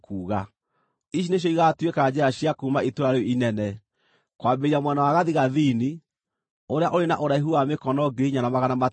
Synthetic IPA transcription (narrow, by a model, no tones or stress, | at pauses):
kuːɣa | iʃ̬ineɕ̬jɔiɣatwekad͡ʑɛɾaɕjakumaitoɾaɾeɔinɛnɛ | kwabeɾiamwɛnawaɣaðiɣaðini | oɾeaʔoɾenaʔoɾaiɦuamekɔnɔɡeɲanamaɣanama